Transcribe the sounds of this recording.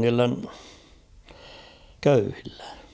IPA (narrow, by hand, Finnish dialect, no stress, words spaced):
niːlːen køyhilːe̥